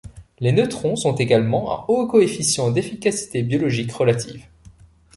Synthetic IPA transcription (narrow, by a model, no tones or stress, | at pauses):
lenøt̪χɔ̃sɔ̃t̪eɡalmɑ̃ã̰okɔefisjɑ̃d̪efikasi̥t̪ebjɔlɔʒikʁəlat̪ʰḭːv